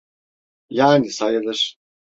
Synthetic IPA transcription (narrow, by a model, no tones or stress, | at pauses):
jaːnisajɯlˠɯɾ̥